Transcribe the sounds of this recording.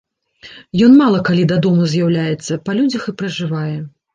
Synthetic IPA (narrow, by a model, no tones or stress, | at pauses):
jɔnmalˠɐkalʲid̪ad̪ɔmuzʲjawlʲajɛt̪sːɐpɐlʲud͡zʲɐxɨpɾɐʐɨvajɛ